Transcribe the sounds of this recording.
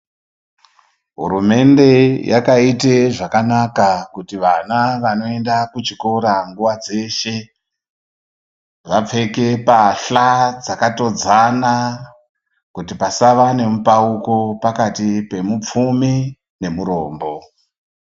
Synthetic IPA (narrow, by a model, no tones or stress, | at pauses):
ɦṵɾume̞nde̞jʔakaiteʐakanakakutiʋanaʋano̞e̞ndakut͡ʃikoɾaŋɡuʋad͡ze̞ʃe̞ | ʋap͡fe̞ke̞paɬad͡zakato̞d͡zana | kutipasaʋane̞mupauko̞pakatipe̞mup͡fumi | ne̞muɾoːmbo̞